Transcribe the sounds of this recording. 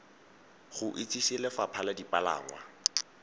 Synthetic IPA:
χʊʔɪt͡sʼisilɛfapʰaladipʼala̰ːŋwa

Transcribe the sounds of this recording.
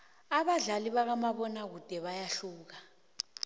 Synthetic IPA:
aβaɮaliβak̬amaβɔnaɣ̬ud̥ʼʱɛβajaɬuːk̬a

